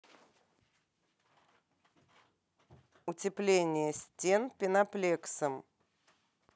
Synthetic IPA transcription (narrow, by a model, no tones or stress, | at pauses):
ʊtʲɪplʲenʲɪjəsʲtʲenpʲɪnɐplʲeksəm